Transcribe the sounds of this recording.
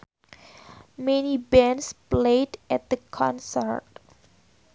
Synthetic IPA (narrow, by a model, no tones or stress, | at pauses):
mɛnibɛ̃nspledʔɛt̚d̪əkʰɔ̃nsə̰ɹt̚